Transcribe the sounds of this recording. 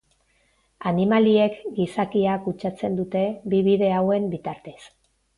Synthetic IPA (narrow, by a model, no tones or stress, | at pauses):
animalie̞kɡisakiakut͡ʃat͡se̞nd̪ut̪e̞biβiðe̞awe̞mbit̪aɾt̪es